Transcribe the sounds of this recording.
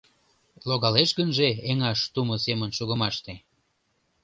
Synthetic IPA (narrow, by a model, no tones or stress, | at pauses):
loɣɑleʃɣənʒeeŋɑʃt̪umosemənʃuɣə̆mɑʃt̪e